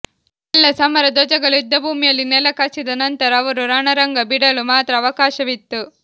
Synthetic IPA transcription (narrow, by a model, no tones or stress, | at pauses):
ɛlːɐsɐmɐɾɐd̪ɔd͡ʒɐɡɐɭuid̪ːɐbʱuːmijɐlːinɛlɐkasid̪ɐnɐnt̪ɐɾɐːʋɐɾuɾaːɳɐɾɐŋɡɐbiɽɐlumaːt̪ɾɐːʋɐkaːʃɐʋit̪ːu